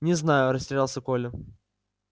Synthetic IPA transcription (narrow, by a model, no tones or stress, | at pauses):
nʲɪznajʊɾəsʲtʲɪɾʲalˠsʲəkolʲʊ